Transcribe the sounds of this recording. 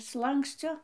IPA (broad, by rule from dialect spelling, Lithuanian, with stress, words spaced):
ˈslˠɐŋksʲt͡sʲoː